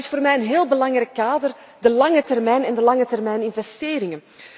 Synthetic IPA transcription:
ɪsfoːrmɛjənɦeːlˠbəlɑŋɾɛkːaːdər | dəlɑŋətɛrmɛjnɛndəlɑŋətɛrmɛjnɪnvɛsteːɾɪŋən

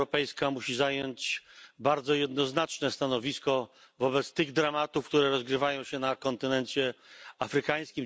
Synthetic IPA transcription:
ɔpɛjskamuɕizajɔɲt͡ɕbaɾd̪zɔjɛd̪nɔznat͡ʂnɛst̪anɔvʲiskɔ | vɔbɛt̪st̪ɘɣd̪ɾamat̪ufkt̪uɾɛɾɔzɡɾɘvajɔ̃w̃ɕɛnakɔnt̪ɘnɛnt͡ɕɛafɾɘkaj̃skʲim

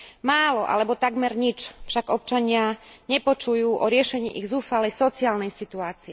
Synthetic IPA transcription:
maːlɔʔa̰lɛbɔt̪aɡmɛɾɲit͡ʃfʃaɡɔp̚t͡ʃaɲɪaɲɛpɔt͡ʃujuːʔɔɾɪɛʃɛɲḭːʔiɣzuːfalɛjsɔt͡siaːlnɛjsit̪uaːt͡siɛ

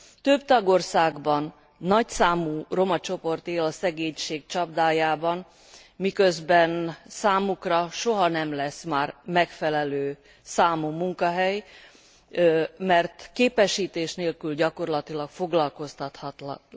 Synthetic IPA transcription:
t̪øbt̪ɒɡo̞rsaːɡbɒnː | ɒcsaːmuːro̞mɒt͡ʃo̞po̞rt̪eːlɒsɛɡeːɲʃeːɡt͡ʃɒb̚d̪aːjaːbɒn | mikøzbɛnsaːmukrɒʃo̞ɦɒnɛmlɛsmaːrmɛkfɛlɛløː | saːmuːmuŋkɒɦɛj | mɛrt̪keːpɛʃiːt̪eːʃneːlkylɟɒko̞rlɒt̪ilɒkfo̞ɡlɒlkost̪ɒt̪hɒt̪l

